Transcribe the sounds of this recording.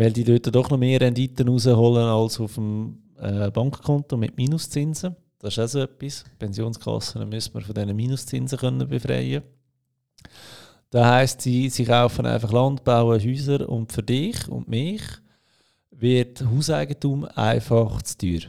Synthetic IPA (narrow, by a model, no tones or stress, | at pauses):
ʋɪldiːdøːtədɔχnɔmeːɾɛndiːtənuːzəɦɔlənɑlsʊfm | ɛb̥ɑŋkkʰɔntomɪtmiːnʊst͡sɪnzə | d̥ɑsɪʃasoːɛpːispʰɛnzjoːnskʰlɑ̰sənəmystməɾfodɛnəmiːnʊst͡sɪnzəχœnːəbefɾɛ̰ɪə | d̥ɑhaɪstsisiχaʊfənʔa̰ɪfɑχlɑndb̥aʊəɦyːzəɾʊ̰ntfʏɾdɪχʊ̰ndmɪːχ | ʋɪtɦuːsa̰ɪɡətuma̰ɪfɑχt͡styːɾ